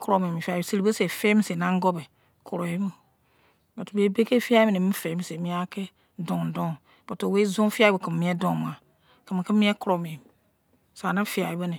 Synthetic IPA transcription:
kɔ˦ɾɔ˨mĩ˨mĩ˨fi˦a˨ibsɨ˨li˨bə˦se˨fe˦mĩ˦se˨nã˦ŋ˦ɡɔ˦bɛ˨ | kʰo˨ɾo˨ji˦bɨ˦ | ba˨tu˨be˦be˦ke˦fi˦a˦i˦bɨ˦˨nĩ˨mĩ˦fe˨˦mĩ˨se˨mĩ˦a˦kɛ˦ | dɔ̃˨ŋ˨dɔ̃˦ | b̥ɔ˨to˨we˦zõ˦fi˦a˦bə˨kə˨m˨mĩ˨˦ɛ˦dɔ̃˨mã˨ | kə˨mɨ̃˨kɛ˦mĩ˦ɛ˦kʊ˦ɾɔ˨mĩ˨m˨ | sa˨nã˦fi˨a˨i˦bə˦nĩ˨

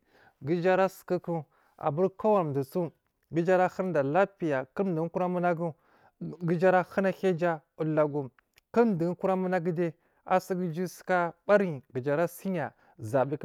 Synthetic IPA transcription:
ɡə˦d͡ʒa˦ɾa˦sə̥˨ki˦ku˦ | a̰˨bu˦ɾka˦wa˨ɾm˨də˨t͡su˦ | ɡi˦d͡ʒa˦ɾa˦xə˦ɾda˨la˦pi˨ja˨kə˦˨də˨˦ku˦ɾa˦mu˦na˦ɡu˦ | ɡi˦d͡ʒa˦ɾa˦hə˦na˦xe˦d͡ʒa˦u˨lːa˨ɡu˨m | kə˦m˨də˨ŋ˦ku˦ɾa˦mu˦na˦ɡi˦de˦ | a̰˦si˦ɡi˦d͡ʒi˦si̥˦ka˦ba˦ɾi˦˨ɡə˨d͡ʒa˨ɾa˦si˦ɲa˨ | za˨bi˦k

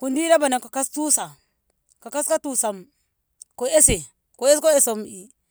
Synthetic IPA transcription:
ku˨ndi˦ɾa˦ba˨na˨ka˨ka˦stu˦sa˨ | ka˨ka˦ska˦tu˦sa˨m | ko˨e˦se˨ | ko˨e˦sko˦e˦so˨mi˨

